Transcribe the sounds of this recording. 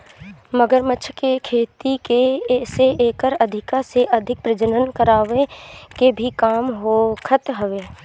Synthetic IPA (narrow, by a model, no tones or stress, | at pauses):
məɡəɾməʃʰkekʰeːt̪ikeseeːkəɾɐd̪ʱɪkaseʔɐd̪ʱɪk̚pɾɪd͡ʒənənkəɾaːʋekebʱikaːmɦokʰət̪ɦəʋeː